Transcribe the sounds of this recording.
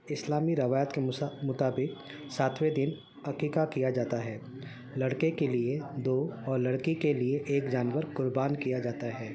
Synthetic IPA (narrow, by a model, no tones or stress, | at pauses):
ɪslaːmiɾɐʋaːjət̪kemʊt̪aːbɪq | saːt̪ʰwed̪ɪn | ɐqiːkakijad͡ʒaːt̪aɦɛː | lɐɽkekelied̪oːɔːɾlɐɽkikelieʔeːkd͡ʒaːnʋəɾqʊɾbaːnkijad͡ʒaːt̪aɦɛː